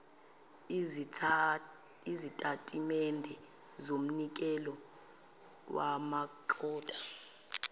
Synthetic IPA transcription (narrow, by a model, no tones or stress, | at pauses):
izitʼatʼimɛndʱɛ | zom̩nik̬ʼɛlɔ | wʔamaǃʰɔːtʼḁ